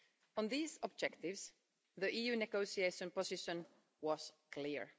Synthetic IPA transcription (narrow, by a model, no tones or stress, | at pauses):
ə̃nðiːzɔb̚d͡ʒɛktɪvs | ðiʔiːjʉːnɛɡoʊsieɪʃə̃npɔsɪʃə̃n | wʌz̥kʰlɪɹ